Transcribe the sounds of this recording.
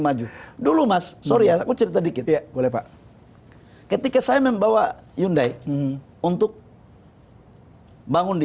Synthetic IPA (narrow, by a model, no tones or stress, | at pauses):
mad͡ʒudulumasːoɾiakut͡ʃəɾit̪adikɪt̪bolɛpaʔ | kət̪ikasajamɛmbawajundai | unt̪ʊk̚ | baŋʊndi